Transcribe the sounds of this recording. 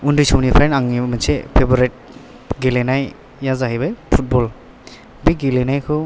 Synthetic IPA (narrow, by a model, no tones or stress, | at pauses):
undɯsɔwnipʰɾenaŋimɯnsepʰebɔɾet̚ | ɡelenaj | jazaɦibajpʰut̚bɔl | biɡilenajkʰɔ